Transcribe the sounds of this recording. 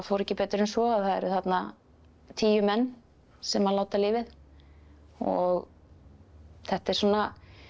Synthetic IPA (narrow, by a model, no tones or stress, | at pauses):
foːwɾɛcːɪpɛːt̪ɾɪnsɔaðθaðɛ̰ɾʏθat̪na | t̪ʰiːjʏmɛnː | sɛmalaːwt̪aliːvɪð | ɔɣ | θɛht̪ɛɾ̥sɔːnːa